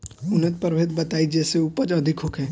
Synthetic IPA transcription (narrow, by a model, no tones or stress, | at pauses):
ʊnət̪̚pəɾʋeːt̪̚bɐt̪aːid͡ʒɛːseuːpəd͡ʒɐd̪ʱɪkɦokɦɛ̃ː